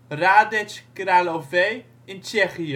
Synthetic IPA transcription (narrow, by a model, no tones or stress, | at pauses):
ɾaːdɛt͡ʃɡ̥ɾaloveː | ɪnt͡ʃɛχiə